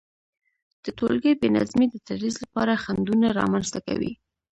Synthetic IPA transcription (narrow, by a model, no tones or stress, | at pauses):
d̪̥ət̪olɡəbena̰zmid̪ət̪aɾizlapɑɾaxand̪unaɾɑ̰manz̥t̪aka̰wḭ